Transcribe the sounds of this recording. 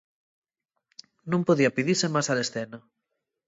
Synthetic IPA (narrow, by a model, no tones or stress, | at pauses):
nõmpoðiɐpiðiɾsemasalesθɛnɐ